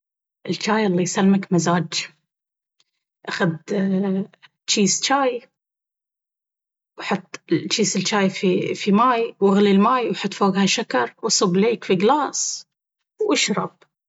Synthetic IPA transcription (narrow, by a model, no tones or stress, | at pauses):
ʔɪlt͡ʃaːjʔalˤːɑjsalːmakmazaːd͡ʒ | ʔaxad̪ | t͡ʃiːst͡ʃaːj | wħʊt̪ˤːɪt͡ʃːiːsɪlt͡ʃaːjfifimaːjwɪɣlilmaːjwħʊt̪ːˤfoːɡhaʃakɑɾˤwʔɑsˤɨbleːkfiɡlaːsˤ | wʔaʃɾˤɑb̥̚